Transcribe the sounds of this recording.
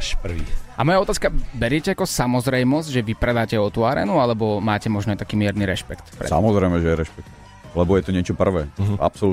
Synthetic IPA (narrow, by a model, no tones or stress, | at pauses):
ʃpr̩ʋiːamɔjaɔt̪aːskabɛɾɪɛcɛakɔsamɔzɾɛjmɔzɟʒɛʋipɾɛd̪aːcɛɔt̪uaɾɛ̰ːnualɛbɔmaːcɛmɔʒnɔat̪akiːmɪɛɾniɾɛʃpɛkt̪pɾɛ̰sa̰mɔzɾɛjmɛʒɛjɛɾɛʃpɛk̚t̪ | lɛbɔjɛt̪ɔɲɪɛt͡ʃɔpr̩ʋɛːa̰psɔlu